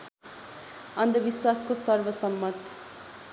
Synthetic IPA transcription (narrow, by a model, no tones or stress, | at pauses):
ʌnd̪ʱʌbiswaskosʌrbʌsʌmːʌt̪